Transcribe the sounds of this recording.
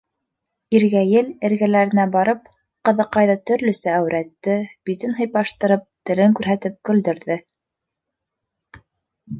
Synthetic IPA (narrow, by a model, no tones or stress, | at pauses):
iɾɡæjɘlɘ̆ɾɣælæɾɘ̆næbɑɾɤp̚ | qɤ̆ðɤ̆qːɑjðɤt̪ɵ̆ɾlɵ̆sɘæwɾʔæt̪ːɘbit̪ɘnɦɤ̆jpɑʃt̪ɤ̆ɾɤp̚t̪ɘ̆ɾɘŋkʉɾɦæt̪ɘp̚kɵ̆ld̪ɵ̆ɾðɘ